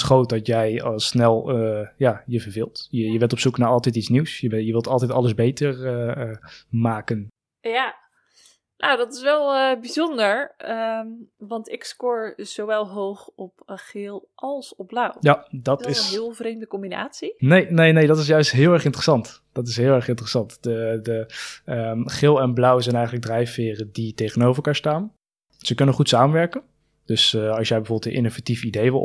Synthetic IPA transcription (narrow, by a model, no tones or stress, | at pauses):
sχowt̚dɔtjɛjˠsnɛlˠjajəvəɹvɪːlˠtjəjəbɛntɔpsuknaːʔɑlˠtɛtitt͡ssniwsjəjəʋɪlˠtɑlˠtɛtɑləzbejtəɹ | maːkən | ja | nowdɔtɪsʋɛlˠbizɔndəɹəʋɑntɪkskʊɹz̥oʋɛlˠɦowχɔpaχɪlˠʔɑlˠsɔb̚blʌwjadɑtɪsnɦɪːlˠvrejmdəkɔmbina̰ːtsinejnejnejdɑtɪs̬jœɥstɦɪːlˠɛɹχɪntərəsɑnt | d̥ɑt̬ɪsɦɪːlˠɛɹχɪntərəsɑntd̥ədəəχɪlˠɛnblʌwzɛjnɛjχənləɡ̚drɛjfɪːrəditejχənowfərəlˠkaːɹstaːn | səkɵnənχutsaːmənʋɛɹkən | d̥ɵsɑlsʃjɛjbəvoːbəlˠtjəʔɪnovatifidejʋɪlˠ